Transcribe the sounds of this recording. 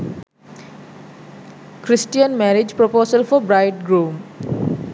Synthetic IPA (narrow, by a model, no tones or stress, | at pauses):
kʰɾisʈijənmɛɾid͡ʒpɾopoːsəlfɔbɾaɪʈ̚ɡɾum